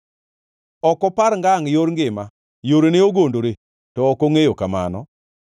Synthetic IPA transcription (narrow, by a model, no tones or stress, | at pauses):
ɔkɔpaɾŋɡaŋjoɾŋɡɪma | joɾeneoɡondoɾe | tɔːkoŋejokama̰nɔ̰